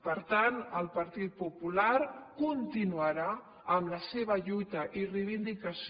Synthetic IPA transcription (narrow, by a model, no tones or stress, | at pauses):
pəɾt̪anəlˠpəɾt̪it̪̚pupulaɾkunt̪inuəɾa | əmləseβ̞əʎujt̪əʔirejβind̪ikəs